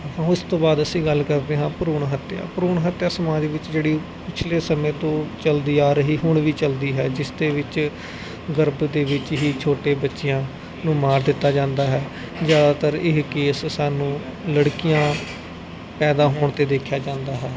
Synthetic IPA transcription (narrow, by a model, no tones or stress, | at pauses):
ɦãːɪst̪õːbaːd̪əsĩːɡəlkəɾd̪eːɦãːpəɾoːɳɦət̪ja̰ːpəɾoːɳɦət̪ːjaːsəmaːd͡ʒʋɪt͡ʃd͡ʒeːɽiː | pɪt͡ʃʰleːsəmẽːt̪õːt͡ʃəld̪iːaːɾəɦiːɦʊɳʋiːt͡ʃəld̪iːɦɛːd͡ʒɪsd̪eːʋɪt͡ʃ | ɡəɾbd̪eːʋɪt͡ʃɦiːt͡ʃʰoːʈeːbətːʃɪjãː | nũːmaːɾd̪ɪt̪ːaːd͡ʒãːnd̪aːɦɛː | zjaːd̪aːt̪əɾɪɦkeːsːaːnũː | ləɽkijãː | pɛːd̪aːɦoːɳt̪eːd̪eːkʰjaːd͡ʒãːnd̪aːɦɛː